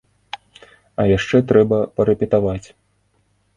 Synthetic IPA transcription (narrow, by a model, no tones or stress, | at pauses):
ɐjaʂt͡ʂɛt̪ɾɛbɐpɐɾɛpʲɛt̪avat͡sʲ